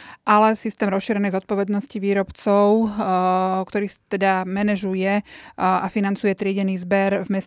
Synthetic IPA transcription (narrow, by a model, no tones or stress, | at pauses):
ʔalɛsist̪ɛːmɾɔsʃiːɾɛnɛjzɔt̪̚pɔʋɛd̪nɔsciʋiːɾɔpt͡sɔʊ | kt̪ɔɾiːt̪ɛd̪amɛnɛʒujɛ | afinant͡sujɛt̪ɾɪɛɟɛniːzbɛɾvmɛs